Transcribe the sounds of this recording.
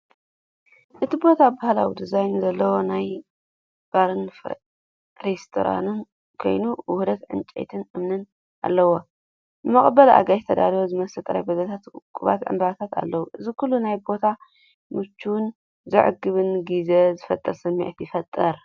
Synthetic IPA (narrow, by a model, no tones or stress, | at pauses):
ʔɨt̪ʰibo̞t̪ʰabahlawid̪ɨzajnzɐlːɐwo̞naj | b̥aɾɨnf | ɾest̪ʰo̰ɾa̰num | kʰo̞̰jnuwʊhd̪ɐt̪ʕɨ̰nt͡ʃʼḛt̪ʰɨnʔɨmnɨn | ʔa̰lːɐwo | ɨmɐχʼbɐlʔa̰ɡajt̪ʰɐd̪aliwozɨmɐsɨlt̪ʼɐɾa̰jbɐzɐt̪ʰat̪kʼuβa̰t̪ʕɨ̰mb̪ɐβat̪ʰat̪a̰lːɐwuʔɨzikʰulːunajbo̞t̪ʰa | mɨt͡ʃʰːuwn | zɨʕɨ̰ɡɨβɨnɡizezɨfɐt̪ʼːɐɾsɨmːḭʕt̪jɪfɐt̪ʼːɐɾ